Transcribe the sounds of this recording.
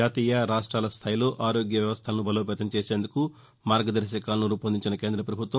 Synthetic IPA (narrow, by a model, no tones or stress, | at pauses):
aːt̪iːjɐɾaːʂʈɾaːlɐst̪ʰaːjlo̞ːʔaːɾoːɡjɐʋjɐʋɐst̪ʰɐlɐnubɐloːp̬ɛːt̪ɐmt͡ʃeːse̞ːnd̪uku | maːɾɡɐd̪ɐɾʃɐkaːlɐnuɾuːpɐnd̪iɲt͡ʃinɐke̞ːnd̪ɾɐpɾɐbʱut̪ʋɐ